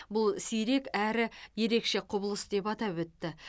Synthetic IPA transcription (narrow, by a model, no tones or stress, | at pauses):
bʊlˠsijɾe̞kæɾɪje̞ɾe̞kʃe̞qʰʊbəlˠəsd̪e̞pɑt̪ɑpwɵt̪ːɪ